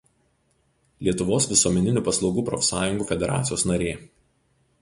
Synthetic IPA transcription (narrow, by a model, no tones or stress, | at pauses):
lʲiɛt̪ʊʋoːsʋʲɪsuɔmʲɛnʲɪnʲuːˑpɐslˠɒʊɡuːpɾɔfʲsɑːjʊŋɡuːfʲɛd̪ʲɛɾɑ̰ːt̪sʲɪjoːsnɐɾʲeː